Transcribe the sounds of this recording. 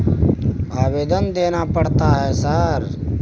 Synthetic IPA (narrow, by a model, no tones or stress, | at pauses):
aːʋeːd̪ənd̪eːnapəɽt̪aɦɛːsəɾ